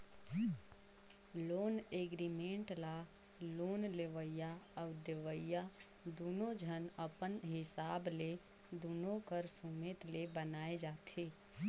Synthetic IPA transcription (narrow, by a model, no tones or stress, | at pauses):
loːneːɡɾimẽɳʈla | loːnleʋəjaəʋd̪eʋəja | d̪uːnõd͡ʒʱənəpənɦɪsaːble | d̪uːnõkəɾsumeːt̪lebənaːed͡ʒaːt̪ʰeː